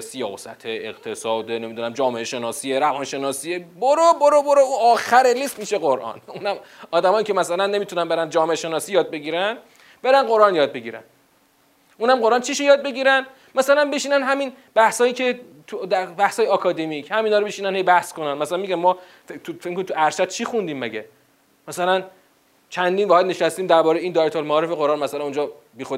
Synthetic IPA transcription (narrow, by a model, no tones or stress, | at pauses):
sijɒ̰ːsæ̰t̪ʰeḛqt̪ʰesɒːd̪ene̞mid̪unæmd͡ʒɒːme̞ʔeʃe̞nɒːsiːeɾævɒːnʃe̞nɒːsieboɾoboɾoboɾouɒːxæɾelist̪miʃeɣoɾʔɒ̰nunæmɒːd̪æmɒːiːcʰe̞mæsælænːe̞mit̪ʰunænbe̞ɾænd͡ʒɒːmeʔeʃe̞nɒːsiːjɒːd̪̚be̞ɡiːɾæn | be̞ɾænɢo̞ɾʔɒnjɒːd̪̚be̞ɟiːɾæ̰n | ʔuːnhæmɢo̞ɾʔɑnt͡ʃʰiʃojɒːd̪̚be̞ɡiːɾæn | mæsælænbeʃiːnænɦæmin | bæhsɒːjiːcʰe̞ | t̪ʰud̪æbæhsɒːjeɒkʰɒːd̪emicʰhæminɒːɾobeʃiːnænhejbæhskonænmæsælænmiɡʲænmɒː | fet̪ʰufekmkʰonimt̪uæɾʃæd̪̥̚t͡ʃʰixund̪iːmːæɡḛ | mæsælæn | t͡ʃʰænd̪iːnvɒhed̪neʃæst̪iːmd̪æɾbɒːɾejeiːnd̪ɒːjet̪ʰolmæːɾefeɣoɾɒːnmæsælænuːnd͡ʒɒː | biːxo